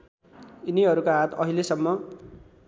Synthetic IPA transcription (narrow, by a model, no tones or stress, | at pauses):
iniɦʌɾukaɦat̪ʰʌ̰ɦilesʌmːʌ